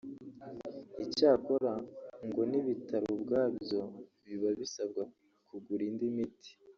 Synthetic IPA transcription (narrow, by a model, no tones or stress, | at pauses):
icaːko̞ɾaŋɡo̞niβitaɾubɡaːbjo̞βiβaβisabɡa | kʰuɡuɾindimiti̥